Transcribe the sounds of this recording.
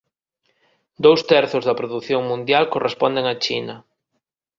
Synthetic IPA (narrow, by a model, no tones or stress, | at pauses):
d̪owst̪ɛɾθʊzðɐpɾoðuθjoŋmũnd̪jalkorespond̪eŋɐt͡ʃinɐ